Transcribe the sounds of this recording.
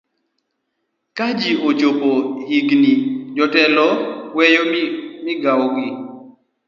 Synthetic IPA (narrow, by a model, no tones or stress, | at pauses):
kad͡ʒiʔot͡ʃopohiɡnid͡ʒɔtɛlɔwɛjomɪɡawɔɡɪ